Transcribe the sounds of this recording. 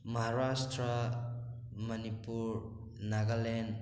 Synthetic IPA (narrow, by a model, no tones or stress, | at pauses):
məɦaɾastɾa | mɐnipuɾ | naɡalɛn